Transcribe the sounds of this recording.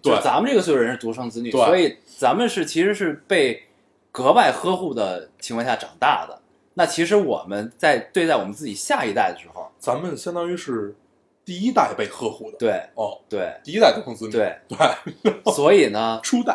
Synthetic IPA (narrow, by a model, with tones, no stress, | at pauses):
t̪we˥˩t͡sa˧˥mə˧nʈ͡ʂɤ˥˩ɡə˩swɻə˧˥nʂɻ̩˥˩t̪u˧˥ʂʰɤ˥ŋt͡sɹ̩˥ny˨˧we˥˧wɔ˧˥i˨˩ | t͡sa˧˥mə˧nʂɻ̩˥˩t͡ɕʰi˧˥ʂɻ̩˧˥ʂɻ̩˥˧pe˥˩ɪ | kɤ˧˥pa˥˩ɪxɤ˥xu˥˩d̪ə˩t͡ɕʰi˧˥ŋʰkʰɑ˥˧ŋɕja˥˩ʈ͡ʂɑ̰˨˩ŋt̪a̰˥˩d̪ə̰˩ | na˥˩t͡ɕʰi˧˥ʂɻ̩˧˥wɔ̰˨˩mə˦nt͡sa˥˧ɪt̪we˥˧ɪt͡sa˥˩wɔ˨˩mə˦nt͡sɹ̩˥˩t͡ɕi˨˩ɕja˥˩i˧˥t̪a˥˩ɪd̪ə˩ʂɻ̩˧˥xo̰˥˧ʊt͡sa˧˥nmə˨nɕjɑ˥ŋt̪ɑ˥y˥ʂɻ̩˥˧ | t̪i˥˧i˥t̪a˥˧ɪpe˥˧ɪxɤ˥xu˥˩d̪ə˩t̪we˥˩ɪ˧t̪we˥˩ɪi˥˧i˥a˥ɪt̪u˧˥ʂʰɤ˥ŋt͡sɹ̩˧˥nt̪we˥˩ɪt̪we˥˧˩ɪswɔ˧˥i˨˩nə˦ʈ͡ʂʰu˥t̪a˥˩